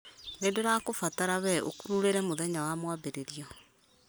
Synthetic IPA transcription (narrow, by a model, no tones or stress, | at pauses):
ɾeːndoɾakofataɾaβɛʔo̰kuɾuɾeɾɛmoðɛɲawamwabeɾeɾiɔ